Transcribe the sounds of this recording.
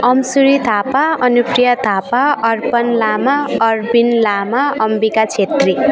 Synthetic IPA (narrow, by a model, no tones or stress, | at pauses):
ʌmsuɾit̪ʰapaʌnuprijʌt̪ʰapaʌrpʌnlamaʌrbinlamaʌmbikat͡sʰet̪ri